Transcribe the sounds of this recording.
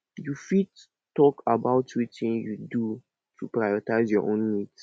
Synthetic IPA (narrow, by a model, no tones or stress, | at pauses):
jufid | tːɔkʰabaʊtʰwitĩŋjudu | tʰupɹajɔtaɪzjɔʔõnmit